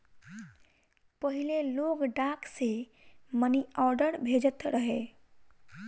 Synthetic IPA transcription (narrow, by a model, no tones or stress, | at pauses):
pəɦileloɡɖakse | məniɔɾɖəɾbʱed͡ʒət̪ɾəɦe